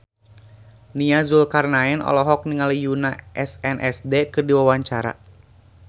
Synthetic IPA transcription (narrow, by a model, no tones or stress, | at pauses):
niazulkarnaɛnɔ̰lɔɦɔk̚niŋalijunaʔɛsɛnʔɛsdekɨrdiwawaɲt͡ʃaɾa̰